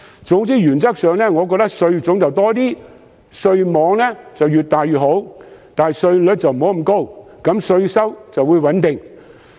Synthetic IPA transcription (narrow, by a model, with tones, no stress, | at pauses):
t͡sʊ˨˥ŋtiː˥jyː˨˩nt͡sɐ˥k̚sœː˨˧ŋlɛː˥ŋɔː˨˧kɔ˧k̚t̪ɐ˥ksɵ˧ɥt͡sʊ˨˥ŋt͡sɐ˨wt̪ɔː˥t̪iː˥ | sɵ˧ɥmɔː˨˧ŋlɛː˥t͡sɐ˨wjyː˨t̚t̪aː˨jɥyː˨t̚ɦo˨˥wt̪aː˨n˨sɵ˧ɥlɵ˨˧˥t͡sɐ˨wm̩˨˩ho˨˥m̩˨˩ko˥w | kɐ˨˥msɵ˧ɥsɐ˥wt͡sɐ˨wuː˨˧jwɐ˨˥nt̪ɪ˨ŋ